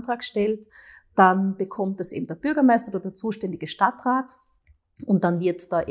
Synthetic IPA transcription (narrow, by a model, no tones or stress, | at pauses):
ntʁ̥aːkʃtɛltd̥anb̥əkʰɔmt̚d̥asʔḛːbm̩d̥eːɐb̥ʏɐɡɐmaɪstɐodɛːɐt͡suːʃtɛndɪɡəʃtatʁaːt | ʊnt̚d̥anvɪɐtd̥aʔ